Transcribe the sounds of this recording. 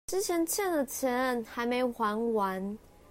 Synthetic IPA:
ʈ͡ʂɻ̩˥t͡ɕʰjɛ˧˥nt͡ɕʰjɛ˥˩nd̪ə˨˩t͡ɕʰɛ˧˥nə˥˩nxa˧˥ɪme˧˥ɪxwa˧˥nwa˧˥n

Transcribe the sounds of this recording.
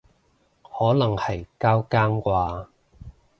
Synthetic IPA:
hɔː˨˥lɐ˨˩ŋhɐ˨jkaː˥wkaː˥ŋkʷaː˧

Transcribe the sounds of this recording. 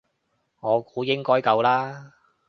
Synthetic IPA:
ŋɔː˨˧kuː˨˥jɪ˥ŋkɔː˥jkɐ˧wlaː˥

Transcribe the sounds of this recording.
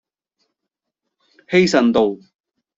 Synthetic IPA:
he˥jsɐ˨˩nt̪o˨w

